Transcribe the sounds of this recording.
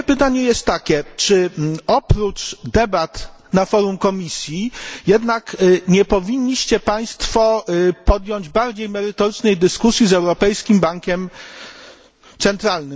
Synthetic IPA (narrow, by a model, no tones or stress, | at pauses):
pɘt̪aɲɛjɛst̪ːakʲɛt͡ʂɘɔpɾut͡ʂd̪ɛbat̪nafɔɾumkɔmʲisʲjijɛd̪nakɲɛpɔvʲiɲʲːiɕt͡ɕɛpaj̃st̪fɔpɔd̪jɔɲd͡ʑbaɾd͡ʑejmɛɾɘt̪ɔɾɘt͡ʂnɛjd̪ɘskusʲjizɛwɾɔpɛjskʲimbaŋkʲɛm | t̪sɛnt̪ɾalnɘ